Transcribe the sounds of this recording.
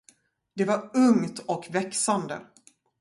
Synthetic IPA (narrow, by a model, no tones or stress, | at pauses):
d̪̥ɛvaɾɵŋt̪ɔkvɛksand̪ə̰